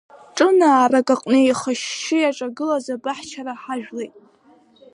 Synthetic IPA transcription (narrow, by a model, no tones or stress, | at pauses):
ʈ͡ʂʼɨnaːrakʼaqʼnɨjχəʃːɪjaʈ͡ʂʼaɡɨlazabaħt͡ʃʰaɾaħaʒᶣlejtʼ